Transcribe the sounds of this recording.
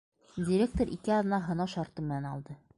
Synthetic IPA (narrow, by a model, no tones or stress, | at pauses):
dʲɪɾʲek̚t̪oɾʔikɘɒðɤ̆nɑɦɤ̆nɑʃɒɾt̪ɤmɘ̆nænɒlˠd̪ɤ